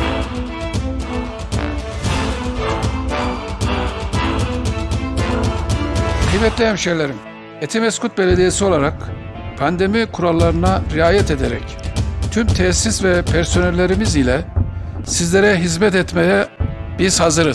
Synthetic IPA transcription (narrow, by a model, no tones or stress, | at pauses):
kʰɯjmɛt̪lʲejɛæmʃejlʲeɾim | et̪ʰimɛskut̪̚be̞lʲed̪ijesio̞lˠaɾak | pʰand̪e̞mikʰuɾalˠːaɾɯnaɾiaːjɛt̪ʰe̞d̪eɾɛ̰ct̪ʰymt̪ʰesːisvɛpʰæɾso̞nɛlʲːe̞ɾimizilʲɛsizlʲe̞ɾɛɦizmɛt̪ɛt̪mejɛb̥iz̥hazɯɾɯz